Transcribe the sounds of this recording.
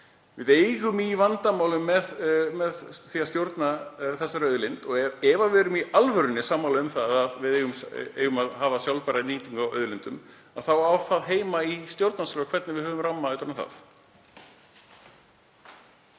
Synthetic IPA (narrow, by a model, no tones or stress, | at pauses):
vɪðeːjɣʏmivant̪amaːwlʏmːɛðmɛðθiːast̪jowɾt̪naθɛsːaɾœðlɪnt̪ɔɣɛvavɛɾʏmialvœɾʏnːɪsaːmːawlɪʏmθaðaðvɪðeːjɣʏmḛːɣʏmaðɦaːvasjawlpɛɾainiːt̪iŋkawœ̰ːðʏlɪnt̪ʏm | aðθawawθaðɦeːjmaist̪jowɾt̪naslœːɣkʰvɛt̪nɪvɪðhœvʏmramːaðʏːt̪ɾnaθa̰θ